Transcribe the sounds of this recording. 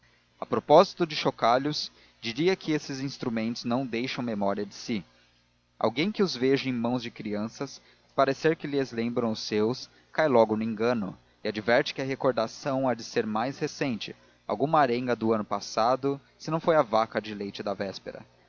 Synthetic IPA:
ɐpɾopɔzit̪ʊd͡ʒɪʃokaʎʊs | d͡ʒiɾiɐkɪesɪzĩst̪ɾumẽnt̪ʊznɐ̃w̃d̪ejʃɐ̃w̃memɔɾiɐd͡ʒɪsɪ | a̰wɡẽj̃kɪʊzveʒɐẽj̃mɐ̃w̃zd͡ʒɪkɾiɐ̃sɐs | paɾeseɾkɪlɪezlẽmbɾɐ̃w̃ʊsːews | kajlɔɡʊnʊĩŋɡɐ̃nʊ̰ | ɪad͡ʒivɛɾt͡ʃɪ̥kɪɐɦekoɾd̪asɐ̃w̃ad͡ʒɪseɾmajshesẽnt͡ʃɪ | a̰wɡũmɐaɾẽŋɡɐd̪ʊɐ̃nʊpasad̪ʊ | sɪnɐ̃w̃fojɐvakɐd͡ʒɪlejt͡ʃɪd̪ɐvɛspeɾɐ̰

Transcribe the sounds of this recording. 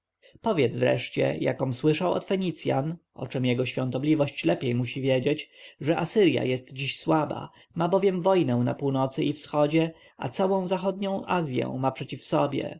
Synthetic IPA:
pɔvʲjɛt̪zvɾɛ̰ʂt͡ɕɛ̰jakɔ̃m̃swɘʂawɔ̰t̪fɛɲit̪sʲja̰n | ɔ̰t͡ʂɛmjɛɡɔɕfʲjɔ̃nt̪ɔblʲivɔɕt͡ɕlɛpʲjejmuɕivʲjed͡ʑet͡ɕʐɛʔasɘɾja̰jɛst̪d͡ʑiɕswaba̰ | mabɔvʲjɛmvɔjnɛw̃na̰puwnɔt̪sɘifsxɔd͡ʑɛ | a̰t̪sawɔ̃w̃zaxɔd̪̚ɲɔ̃w̃ʔazʲjɛ̰̃w̃mapʂɛt͡ɕifsɔbʲjɛ̰

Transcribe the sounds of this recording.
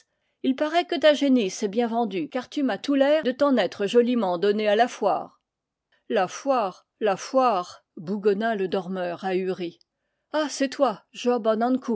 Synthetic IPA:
ilpaʁɛkət̪aʒenisɛbjɛ̃vɑ̃d̪ykaʁt̪ymat̪ulɛd̪ət̪ɔ̃nɛt̪χəʒɔlimɑ̃d̪ɔnealafwa̰ːʁ | lafwaːʁ | lafwaːʁ | buɡɔnaləd̪ɔʁmœːʁayʁi | asɛt̪waʒɔbanɑ̃nku

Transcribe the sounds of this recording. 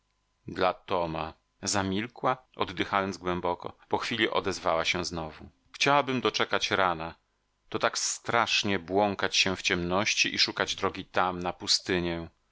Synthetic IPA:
d̪lat̪ɔma | zamʲilkwaʔɔ̰d̪ːɘxajɔnd̪zɡwɛmbɔkɔ̰pɔxfʲilʲiʔɔ̰d̪ɛzvawaɕɛ̃znɔvu | xt͡ɕawabɘmd̪ɔt͡ʂɛkat͡ɕɾana | t̪ɔt̪akst̪ɾaʂɲɛbwɔŋkat͡ɕɕɛ̃ft͡ɕɛmnɔɕt͡ɕiʔiʂukad͡ʑd̪ɾɔɡʲit̪amnapust̪ɘɲɛ̃

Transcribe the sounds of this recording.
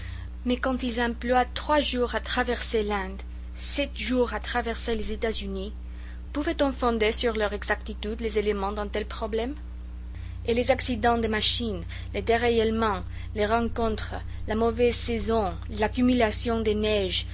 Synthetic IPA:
mɛkɑ̃t̪ilzɛ̃plwat̪χwaʒuʁat̪χavɛʁselɛ̃d̪ | sɛt̪ʒuʁat̪χavɛʁselezet̪azyni | puvɛt̪ɔ̃fɔ̃d̪esyʁlœʁɛɡzak̚t̪it̪yd̪lezelemɑ̃d̪ɛ̃t̪ɛlpχɔblɛm | elezaksid̪ɑ̃d̪emaʃin | led̪eʁejɛlmɑ̃ | leʁɑ̃kɔ̃t̪χlamovɛzsezɔ̃ | lakymylasjɔ̃d̪enɛʒ

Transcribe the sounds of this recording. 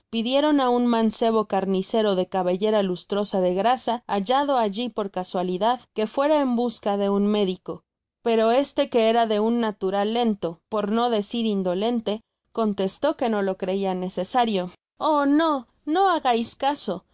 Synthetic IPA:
piðje̞ɾo̞naunmãnse̞β̞o̞kaɾnise̞ɾo̞ðe̞kaβeʝe̞ɾalust̪ɾo̞saðe̞ɣɾasaːʝað̞o̞aʝipo̞ɾkaswaliðaðke̞fwe̞ɾae̞mbuskaðe̞unme̞ðiko̞ | pe̞ɾo̞e̞st̪e̞ke̞e̞ɾaðe̞unːat̪uɾalːe̞nt̪o̞po̞ɾno̞ðe̞siɾind̪o̞le̞nt̪e̞ | ko̞nt̪e̞st̪o̞ke̞no̞lo̞kɾe̞iane̞se̞saɾjo̞ | ono | no̞aɣajskaso̞

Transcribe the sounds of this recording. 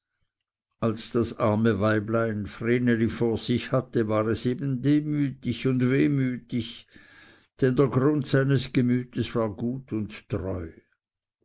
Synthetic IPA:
alsd̥asʔaʁməvaɪblaɪnfʁeːnəlifoːɐz̥ɪçhatəvaːʁɛseːbn̩deːmyːtɪçʊndveːmyːtɪç | d̥ɛndeːɐɡʁʊntsaɪnəsɡ̥əmyːtəsv̥aːɐɡuːtʰʊnttʁɔ̰ʏ

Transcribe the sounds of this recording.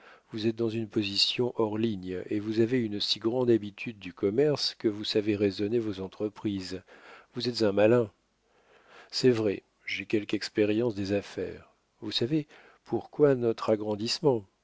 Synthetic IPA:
vuzɛt̪̚d̪ɑ̃zynpozisjɔ̃ʔɔʁliɲevuzaveynsiɡʁɑ̃d̪abit̪ʰyd̪̚ːykɔmɛʁskəvusaveʁezɔnevozɑ̃t̪χəpχizvuzɛt̪zɛ̃malɛ̃ | sɛvʁɛ | ʒekʲɛlkɛkspeʁjɑ̃sd̪ezafɛ̰ːʁ | vusave | pʰuʁkwanɔt̪χaɡʁɑ̃d̪ismɑ̃

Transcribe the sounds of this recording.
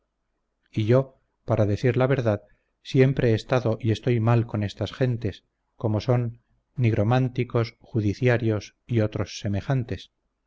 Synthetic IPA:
iʝo̞ | paɾaðe̞θiɾlaβe̞ɾðað | sje̞mpɾe̞eːst̪aðo̞ʔie̞st̪o̞jmalko̞ne̞st̪asxe̞nt̪es | ko̞mo̞so̞nː | iɣɾo̞mant̪iko̞sxuðiθjaɾjo̞s | io̞t̪ɾo̞sːe̞me̞xant̪e̞s

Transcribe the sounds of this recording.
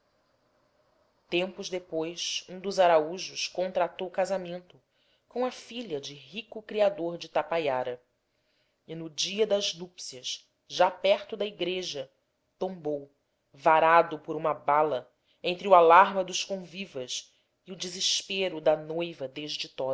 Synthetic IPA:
t̪ẽmpʊʒd̪epojsũd̪ʊzaɾauʒʊskõnt̪ɾat̪owukazamẽnt̪ʊ | kõw̃ɐfiʎɐd͡ʒɪɦikʊkɾiad̪oɾd͡ʒɪt̪apajaɾɐ | ɪnʊd͡ʒiɐd̪ɐznupsiɐʃ | ʒapɛɾt̪ʊd̪ɐiɡɾeʒɐ | t̪õmbow | vaɾad̪ʊpʊɾũmɐbalɐ | ẽnt̪ɾɪualaɾmɐd̪ʊʃskõvivɐs | ɪʊd͡ʒɪzɪʃpeɾʊd̪ɐnojvɐd̪eʒd͡ʒɪt̪ɔd̪ɐ

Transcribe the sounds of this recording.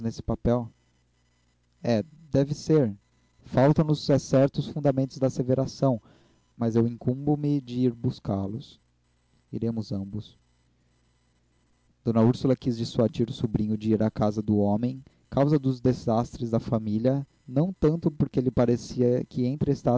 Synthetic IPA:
nesɪ̥papɛw | ɛ | d̪ɛvɪseɾ | fawt̪ɐ̃w̪̃ʊsɛsɛɾt̪ʊsfũnd̪ɐmẽnt̪ʊzd̪ɐaseveɾasɐ̃w̃ | mɐzewĩŋkũmbʊmɪd͡ʒɪiɾbuskalʊs | ḭɾẽmʊzɐ̃bʊs | d̪̥õnɐuɾsulɐkizd͡ʒisuad͡ʒiɾʊsubɾĩɲʊd͡ʒɪiɾakazɐd̪ʊõmẽj̃ | kawzɐd̪ʊzd̪ezast̪ɾɪzd̪ɐfamiliɐ | nɐ̃w̃t̪ɐ̃nt̪ʊpʊɾkeelɪpaɾesiɐkɪẽnt̪ɾɪest̪a

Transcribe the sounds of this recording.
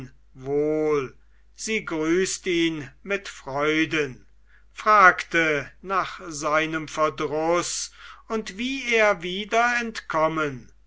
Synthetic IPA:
voːl | z̥iːɡʁyːstiːnmɪtfʁ̥ɔʏdən | fʁ̥aːktənaːχz̥aɪnəmfɛɐdʁʊsʊntv̥iːeːɐviːdɐɛntkʰɔmən

